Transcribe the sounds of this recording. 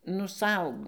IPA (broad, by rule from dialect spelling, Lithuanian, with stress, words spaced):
nʊ ˈsɐʊ